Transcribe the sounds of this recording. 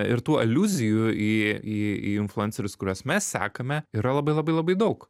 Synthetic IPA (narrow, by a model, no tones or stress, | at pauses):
ɪ̰ɾt̪uːʔɐ̰lʲuːzʲɪjʊiːiːḭːɪnflˠʊɛnsʲɛɾʲʊskʊɾʲuɔsmʲɛssʲæ̰ːkɐmʲɛiɾɐlˠɐbɐɪlˠɐbɐɪlˠɐbɐɪd̪ɐʊk